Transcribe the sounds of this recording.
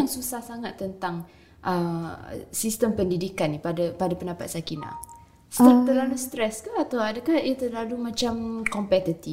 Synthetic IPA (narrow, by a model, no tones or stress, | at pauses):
aŋsusahsaŋat̪ːənt̪aŋ | ʔə | sist̪əmpəndidikanipadapadapəndapat̪sakina̰h | st̪əlalust̪ɾɛskaat̪awadakahiət̪əlalumãt͡ʃamkɔmpɛt̪it̪i